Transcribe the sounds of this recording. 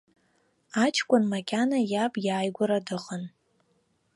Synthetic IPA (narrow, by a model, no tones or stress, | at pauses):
at͡ʃʰkʷʼʊnmakʲʼanajabʼjaːjɡʷʊɾadɨqʼən